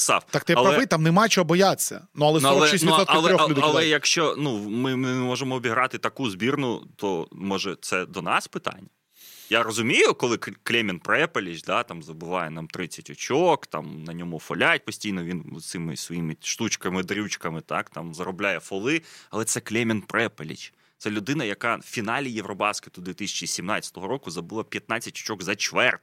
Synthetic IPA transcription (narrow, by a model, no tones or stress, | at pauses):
sɑ̰ft̪ak̚t̪ɛɐplɾɐɛbɪt̪amnemajt͡ʃɔɦɔbɔjat͡sʲːɐ̰nuɐlˠɛnɔlˠɛʃisʲnʲuɔtɐlˠɾʲɔxld̪ɛɐlˠɛjɐkʃt͡ʃɔnumɪmɪmɔʒemɔːbʲiɦɾɑt̪ɪt̪ɐkuzbʲirnʊt̪ɔmɔʒɛt̪sɛd̪ɔnɑspɪt̪a̰nʲːɐ | jaɾɔzʊmʲijʊkɔlˠɪkklʲɛmʲinpɾɛpɐlʲiʒd̪at̪ɑmzɐbɪʋɑ̰jɛnamt̪ɾɪt͡sʲːɐ̥tʲɔt͡ʃoɔkt̪ɑ̰mnɐnʲɔmʊfɔlʲat̚ʲpɔsʲtʲijnɔʋʲin̰t̪sɪmɪsʋɔjimɪʃt̪ut͡ʃkɐmɪd̪ɾʲut͡ʃkɐmɪt̪ɑ̰kt̪ɑmzɐɾɔblʲajɛfɔlˠɪɐlˠɛt̪sɛklʲɛmʲɪnpɾɛpelʲḭt͡ʃ | t̪sɛlʲʊd̪ɪnɐjɐkɑfʲinɑlʲijeʋɾɔbɑskɪt̪ɔd̪ʲʋʲit̪ɪsʲɐ̥t͡ʃisʲimnɑt͡sʲɐ̥t̪ɔɦɔɾɔkʊzɐbɨlˠapʲjɐt̪nɑt͡sʲːɐtʲɔ̥t͡ʃɔɡzɐt͡ʃʋɛrt̪